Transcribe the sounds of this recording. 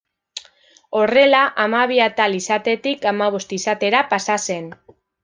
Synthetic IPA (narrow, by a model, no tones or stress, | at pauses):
o̞re̞laʔamaβ̞iat̪alisat̪e̞t̪ikamaβ̞o̞st̪isat̪e̞ɾapasase̞n